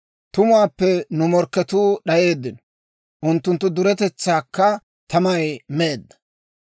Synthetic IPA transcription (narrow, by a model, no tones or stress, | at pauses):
t̪ʊmʊwaːpːɛnʊmɔɾkːɛt̪uːɗɐje̞ːd̪ːɪnɔ̥ | ʔʊnt̪ːʊnt̪ːʊd̪ʊɾɛt̪ɛt͡sːaːkːɐ | t̪ʰɐmɐjme̞ːd̪ːɐ̥